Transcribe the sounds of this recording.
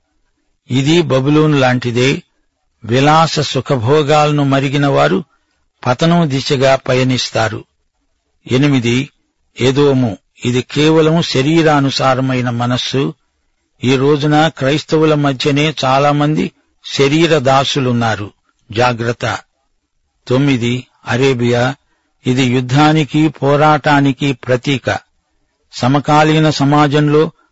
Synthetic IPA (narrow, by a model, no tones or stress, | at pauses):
id̪ibɐbuloːnulaːɳʈid̪e̞ː | ʋilaːsɐsukʰɐbʱɔːɡaːlɐnumɐɾiɡinɐʋaːɾu | pɐt̪ɐnɐmd̪iʃɐɡaːpɐjɐnist̪aːɾṵ | e̞nimid̪i | ed̪oːmu | id̪ikɛːʋɐlɐmuʃɐɾiːɾɐːnusaːɾɐmɐjnɐmɐnɐsːu | iːɾo̞ːd͡ʒunɐkɾɐjst̪ɐwulɐmɐd̪ʱjɐne̞ːt͡ʃaːlaːmɐnd̪i | ʃɐɾiːɾɐd̪aːsulunːaːɾu | d͡ʒaːɡɾɐt̪ːɐ̰ | t̪o̞mːid̪i | ɐɾeːbija | id̪ijud̪ʱːaːnikipʰɔːɾaːʈaːnikipɾɐt̪iːkɐ̰ | sɐmɐkaːlinɐsɐmaːd͡ʒɐmlo̞ː